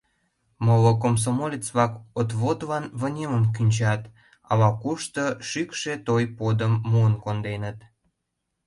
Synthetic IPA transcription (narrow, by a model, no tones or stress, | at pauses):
məlokoms̬omolʲet͡sβɑkot̪βot̪lɑnβə̆nʲeməmkynʲt͡ɕɑt̪ | ɑ̰lɑkuʃt̪əʃykʃet̪ojpod̪əmːuənkond̪enət̪